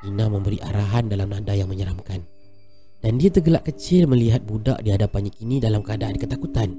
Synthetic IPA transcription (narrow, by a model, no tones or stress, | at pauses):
inãmə̃mbəɾiʔa̰ɾaɦandalamnandajaŋməɲəɾamkan | d̥andiat̪əɡəlaʔkət͡ʃɪlməliɦat̪̚buda̰ʔdiɦadapanɲakinĩdalamkəadaʔankət̪akut̪an